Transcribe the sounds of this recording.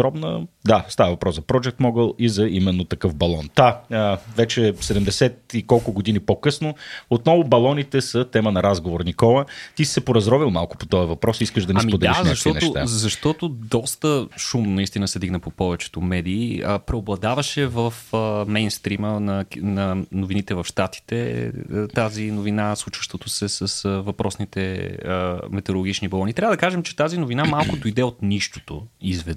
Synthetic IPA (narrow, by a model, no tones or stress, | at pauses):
ɾɔbnə̰d̪ast̪avəvɐpɾɔszɐpɾɔd͡ʒɛk̚t̪mɔɡəlˠizɐimɛnːot̪ɐkɤfbɐlˠɔnt̪aəvɛt͡ʃɛsɛd̪ɛmd̪ɛsɛt̪ikɔlˠkʊɡod̪inipokɤsnoot̪nɔvʊbɐlˠɔnit̪ɛsət̪ɛmənɐɾazɡovoɾnikɔlˠət̪ii̥sɛpoɾɐzɾɔvilˠmalˠkʊ̥po̥t̪ɔjɐvɐpɾɔsiiskəʒd̪ɐniasmpod̪ɛaɛzɐʃt̪ɔnɛʊt̪a̰zɐʃt̪ɔt̪ʊd̪ɔst̪əʃumnɐist̪inəsɛd̪iɡnəpopɔvɛt͡ʃɛ̥t̪omɛd̪iːəpɾɛoblˠɐd̪avɐʃɛvəfəmɛjnst̪ɾimənɐnɐnovinit̪ɛvɐfʃt̪at̪i̥t̪ɛ̰t̪azinovinaslˠut͡ʃə̥ʃt̪ot̪osɛsəsəvɐpɾʔɔsnit̪ɛəmɛt̪ɛɾolˠoɡʲit͡ʃnibolˠɔnit̪ɾʲavɐəd̪ɐkaʒɛmt͡ʃɛ̥t̪azinʊvinamalˠkʊd̪ojd̪ɛot̪niʃt̪o̥t̪o̰izvɛ